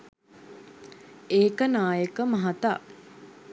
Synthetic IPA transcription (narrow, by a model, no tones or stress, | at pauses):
eːkənaːjəkəmɐɦat̪aː